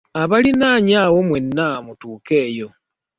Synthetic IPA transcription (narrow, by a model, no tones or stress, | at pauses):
aβalinaːɲaːwomwenːamutuːke̞ːjo̞